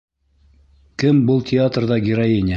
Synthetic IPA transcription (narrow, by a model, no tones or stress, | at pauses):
kɘmbɤlˠtʲɪat̪rðɑɡʲɪɾɐjenʲ